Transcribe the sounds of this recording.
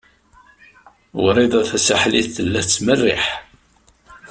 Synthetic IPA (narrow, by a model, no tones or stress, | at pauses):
wɾiðˤɑθæsaħliθəlːæt͡sːmərːḭħ